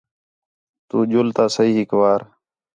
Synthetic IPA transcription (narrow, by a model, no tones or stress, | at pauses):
t̪uːd͡ʒʊlt̪aːsəiːɦɪkʋaːɾ